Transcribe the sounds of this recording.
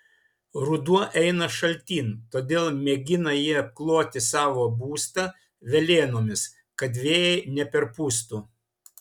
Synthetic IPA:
ɾʊd̪uɔʔɛɪnɐʃɐlʲt̪ʲiːnt̪oːd̪ʲeːlˠmʲɛɡʲɪnɐjiɛɐp̚klˠoːt̪ʲɪsɑːʋoːbuːst̪ɐ | ʋʲɛlʲeːnoːmʲɪs | kɐd̪ʲʋʲeːjɛɪnʲɛpʲɛɾpuːst̪uː

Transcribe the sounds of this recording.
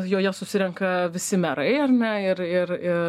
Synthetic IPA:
joːjɛsʊsʲɪɾʲɛŋkɐʋʲɪsʲɪmʲɛɾɐɪɐrnʲɛɪɾɪɾɪ

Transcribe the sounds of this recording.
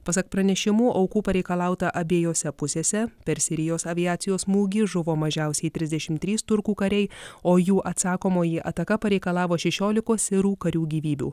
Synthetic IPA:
pɐsɐk̚pɾɐnʲɛʃʲɪmuːʔɐʊkuːpɐɾʲɛɪkɐlˠɑˑʊt̪ɐʔɐbʲeːjoːsʲɛpʊsʲeːsʲɛpʲɛɾsʲɪɾʲɪjoːsɐʋʲɪæːt̪sʲɪjoːsmuːɡʲɪʒʊʋoːmɐʒʲɛʊsʲɛɪt̪ʲɾʲɪzd̪ʲɛʃʲɪmt̪ʲɾʲiːst̪ʊɾkuːkɐɾʲɛɪoːjuːʔɐt̪sɑːkoːmoːjiʔɐ̰t̪ɐkɐpɐɾʲɛɪkɐlˠɑːʋoːʃʲɛʃʲoːlʲɪkoːsɪɾuːkɐɾʲuːɡʲiːʋʲiːbʲṵː

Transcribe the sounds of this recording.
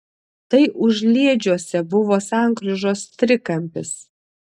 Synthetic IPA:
t̪ɐɪʔʊʒʲlʲiɛd͡ʒʲuɔsʲɛbʊʋoːsɑˑŋkɾʲʊʒoːst̪ʲɾʲɪkɐmʲpʲɪs

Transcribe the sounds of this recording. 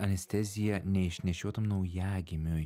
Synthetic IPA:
ɐnʲɛsʲt̪ʲɛzʲɪjɛnʲɛɪʃʲnʲɛʃʲuɔt̪ɐmnɐʊjæːɡʲɪmʲʊj

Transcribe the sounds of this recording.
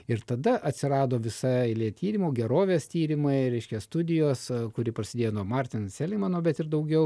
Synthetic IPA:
ɪɾt̪ɐd̪ɐʔɐt̪ʲsʲɪɾɑːd̪oːʋʲɪsɑɪlʲiɛt̪ʲiːɾʲɪmuːɡʲɛɾoːʋʲeːst̪ʲiːɾʲɪmɐɪɾʲɛɪʃʲkʲɛst̪ʊd̪ʲɪjoːsskʊɾʲɪpɾɐsʲɪd̪ʲeːjoːnuɔmɑrʲt̪ʲɪnsʲɛlʲɪmɑnoːbʲɛt̪ɪɾd̪ɐʊɡʲɛʊ

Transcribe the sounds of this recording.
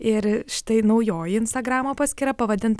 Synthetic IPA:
ɪɾʃʲɪ̥t̪ɐɪnɐʊjoːjɪnst̪ɐɡɾɑːmoːpɑːsʲkʲɪɾɐpɐʋɐd̪ʲɪnt̪

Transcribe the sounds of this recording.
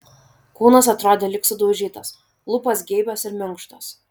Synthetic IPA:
kuːnɐs̬ɐt̪ɾoːd̪ʲeːlʲɪksʊd̪oʒʲiːt̪ɐs | lˠʊpɐsɡʲɛɪbʲɛsɪɾmʲɪŋˑkʃt̪ɐs

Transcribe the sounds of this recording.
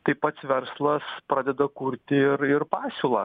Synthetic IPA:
t̪ɐɪpɐt̪sʋʲɛɾslˠɐspɾɑːd̪ʲɛd̪ɐkuːɾʲt̪ʲɪɪɾɪrpɑːsʲʊlˠɑː

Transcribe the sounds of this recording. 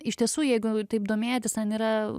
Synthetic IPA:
ɪʃʲt̪ʲiɛsuːjɛɪɡʊt̪ɐɪpd̪oːmʲeːt̪ʲɪsɐniːɾɐ

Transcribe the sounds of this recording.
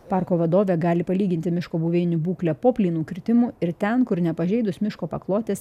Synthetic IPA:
pɑˑɾkoːʋɐd̪oːʋʲɛɡɑːlʲɪpɐlʲiːɡʲɪnʲt̪ʲɪmʲɪʃkoːbuːʋʲeːnʲʊbuːklʲɛpoːpʲlʲiːnuːkɾʲɪt̪ʲɪmuːɪɾt̪ʲɛnkʊɾnʲɛpɐʒʲɛɪd̪ʊsmʲɪʃkoːpɐklˠoːt̪ʲeːs

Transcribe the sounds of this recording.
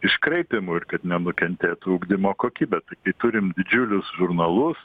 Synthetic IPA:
ɪʃkɾɐɪpʲɪmʊɪɾkɐt̪nʲɛnʊkʲɛnʲt̪ʲeːt̪ʊʊːɡd̪ʲɪmoːkoːkʲiːbʲɛt̪ɐɪkɐɪt̪ʊɾʲɪmd̪ʲɪd͡ʒʲʊlʲʊsʒʊrnɐlˠʊs

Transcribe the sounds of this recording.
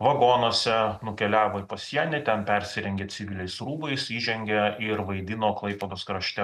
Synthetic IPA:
ʋɐɡoːnoːsʲɛnʊkʲɛlʲæːʋoːɪpɐsʲiɛnʲɛt̪ʲɛnpʲɛɾʲsʲɪɾʲɛŋʲɡʲeːt͡s̪ʲɪʋʲɪlʲɛɪsɾuːbɐɪsiːʒʲɛŋʲɡʲɛɪɾʋɐɪd̪ʲɪnoːklˠɐɪpod̪oːskɾɐʃʲt̪ʲɛ

